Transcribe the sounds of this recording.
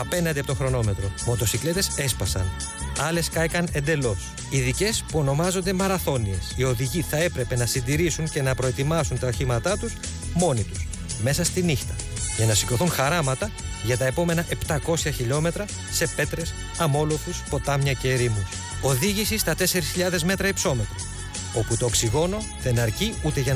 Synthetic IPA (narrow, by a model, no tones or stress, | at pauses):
ɐpe̞nɐnd̪eiɐpot̪o̞xɾo̞no̞me̞t̪ɾomo̞t̪o̞sikle̞t̪e̞se̞spɐsɐ̰n | ɐle̞skɐjkɐne̞nd̪e̞lo̞s | iðice̞spuo̞no̞mɐzo̞nd̪e̞mɐɾɐθo̞nie̞sio̞ðiʝiθɐe̞pɾe̞pe̞nɐsind̪iɾisunce̞nɐpɾoe̞t̪imɐsunt̪ɐɐçimɐt̪ɐt̪us | mo̞nit̪us | me̞sɐst̪inixt̪ɐ | ʝɐnɐsi̥ko̞θunxɐɾɐmɐt̪ɐʝɐt̪ɐe̞po̞me̞nɐʔe̞pt̪ɐko̞sçɐçiʎo̞me̞t̪ɾɐ | se̞pe̞t̪ɾe̞s | ɐmo̞lo̞fuspo̞t̪ɐmɲɐceːɾimu | o̞ðiʝisist̪ɐt̪e̞se̞ɾisçiʎɐðe̞zme̞t̪ɾɐipso̞me̞t̪ɾo | o̞put̪o̞eksiɣo̞no̞ | ðe̞nɐɾciut̪e̞ʝɐ